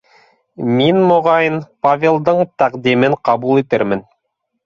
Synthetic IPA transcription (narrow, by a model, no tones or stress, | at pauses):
minmŏʁɑjɤnpavʲelˠd̪ɤɴt̪æqd̪imɘɴqɑβulˠit̪ɘɾmɘ̆n